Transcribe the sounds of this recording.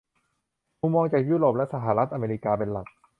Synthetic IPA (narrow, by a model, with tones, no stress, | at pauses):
mu˧mːɔː˧ŋt͡ɕaː˨˩k̚juː˥ɾoː˨˩p̚lɛ˦˥sa˧ɦa˧˩˦ɾa˦˥t̪̚ʔa˧meː˧ɾiː˦˥kaː˧p̬e˧nla˨˩k̚